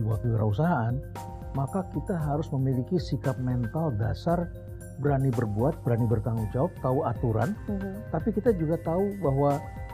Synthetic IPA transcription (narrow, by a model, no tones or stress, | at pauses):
wakiəɾaus̬aɦaːn | makakit̪aɦaɾʊsməmilikisikap̚mɛnt̪alda̰sar | bəɾanibərbuat̪̚bəɾanibərt̪aŋuŋd͡ʒawap̚t̪auat̪uɾa̰nt̪apikit̪ad͡ʒuɡat̪aubaɦwa